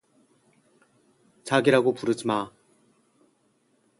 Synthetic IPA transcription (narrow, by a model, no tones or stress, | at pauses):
t͡ɕaɡiɾaɡopuɾɯd͡ʑima